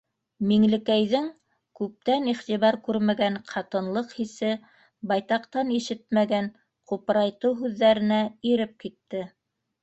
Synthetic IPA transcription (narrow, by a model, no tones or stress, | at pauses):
miŋlɘ̆kæjðɘŋ | kʉp̚t̪æniχt̪iβɑɾkʉɾmæɡæɴqʰɑt̪ɤ̆nlˠɤqhisɘ | bɑjt̪ɑqt̪ɑniʃɘt̪̚mæɡæn | qupɾɑjt̪ɤwɦʉðːæɾɘ̆næiɾɘp̚kit̪ːɘ